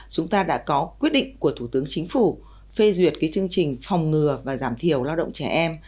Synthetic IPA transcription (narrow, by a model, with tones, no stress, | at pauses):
t͡ɕʊ˨˦ŋ͡mt̪aː˧ɗa̰ː˧˥kɔ˨˦kwi˦˥ət̚ɗḭ˧˨ŋ̟ku˧˩ət̪ʰu˧˩t̪ɨ˨˦əŋt͡ɕï˨˦ŋ̟fu˧˩ | fe˧zwi˨˩ət̚kaː˨˦jt͡ɕɨ˧əŋt͡ɕï˨˩ŋ̟fa˨˩wŋ͡mŋɨ˨˩əvaː˨˩zaː˧˩mt̪ʰi˨˩əwlaː˧wɗə̰˧˨wŋ͡mt͡ɕɛ˧˩ʔɛ˧m